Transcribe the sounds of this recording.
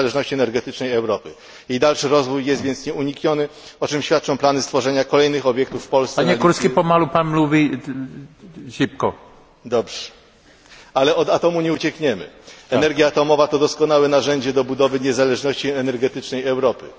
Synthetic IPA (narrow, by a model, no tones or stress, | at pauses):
alɛʐnɔɕt͡ɕiɛnɛɾɡɛt̪ɘt͡ʂnɛjɛwɾɔpɘ̰ | jejd̪alʂɘɾɔzvujːɛst̪vʲjɛnt̪sɲɛuɲikɲɔnɘ | ɔt͡ʂɘmɕfʲjat̪̚t͡ʂɔ̃w̃planɘst̪fɔʐɛɲakɔlɛjnɘxɔbʲjɛk̚t̪ufːpɔlssaɛɲɛɡkuɾskʲipɔmalupanmluvʲi | ɕip̚kɔ | d̪ɔbʐ̥ɛ̥ | alɛʔɔd̪at̪ɔmuɲɛut͡ɕɛkɲɛmɘ̰ɛɛɾɡʲjaːt̪ɔmɔvat̪ɔd̪ɔskɔnawɛnaʐɛɲd͡ʑɛd̪ɔbud̪ɔvɘɲɛzalɛʐnɔɕt͡ɕiɛnɛɾɡɛt̪ɘt͡ʂnɛjɛwɾɔpɘ̰